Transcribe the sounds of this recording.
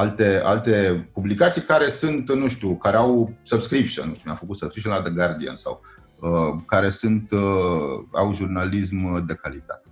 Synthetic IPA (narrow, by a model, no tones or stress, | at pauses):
alt̪e̞a̰lt̪e̞publikat̪sijkaɾe̞sɨnt̪nuʃt̪ukaɾe̞awsəbskɾipʃə̰nnːuʃt̪umjamfəkut̪səbskɾipʃənlad̪eɡard̪ia̰nsa̰w | əkaɾe̞sɨnt̪ | a̰wʒurnalis̬md̪e̞kalit̪a̰t̪e̥